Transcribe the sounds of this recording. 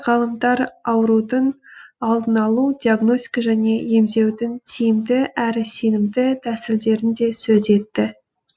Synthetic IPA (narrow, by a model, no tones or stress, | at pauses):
ʁɑlˠəmd̪ɑɾɑwəɾud̪ənɑlˠd̪ənɑlˠud̪ʲiaɡno̞st̪ʲi̥kɑʒæne̞je̞mze̞wd̪ɪnt̪ʰijɪmd̪ɪʔæɾɪse̞nɪmd̪ɪt̪ʰæsɪld̪e̞ɾɪnd̪e̞sɵze̞t̪ːɪ